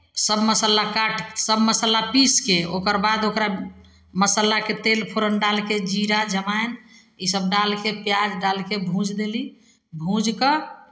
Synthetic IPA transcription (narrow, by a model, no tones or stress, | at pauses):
səbməsəlakaʈsəbməsəlapiskeokəɾbad̪okɾa | məsəlaket̪elpʰoɾənɖalked͡ʒiɾad͡ʒəmaen | isəb̚ɖalkepjad͡ʒɖalkebʱũd͡ʒd̪eli | bʱũd͡ʒkə